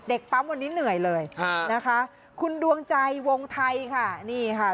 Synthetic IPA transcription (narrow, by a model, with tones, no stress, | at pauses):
de˨˩k̚pa˦˥mwa˧nːi˦˥nɯ˨˩əjlɤː˧jʰa˧na˦˥kʰa˦˥ | kʰu˧ndu˧əŋt͡ɕa˧jwo˧ŋt̪ʰa˧jkʰa˥˩niː˥˩kʰa˥˩